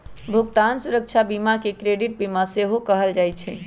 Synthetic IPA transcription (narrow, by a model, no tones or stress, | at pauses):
bʱuɡt̪ansuɾək̚t͡ʃʰabimakekɾeɖiʈ̚bimaseɦokəɦəld͡ʒajt͡ʃʰɛ